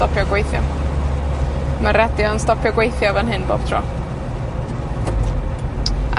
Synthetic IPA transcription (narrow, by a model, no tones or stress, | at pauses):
tɔpʰjɔɡwejθjɔ | maɾɛdɪɔnstɔpʰjɔɡwejθjavənɦɨnbo̰ːb̥tʰrɔ̰